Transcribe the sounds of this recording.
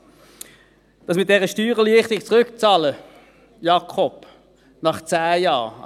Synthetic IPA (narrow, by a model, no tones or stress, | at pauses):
d̥ɑs̬mɪt̚d̥ɛʁəʃtyːʁəliəχtɪkt͡sʁʏkt͡sɑːlə | jɑkʰɔp | nɑχt͡sæːjɑː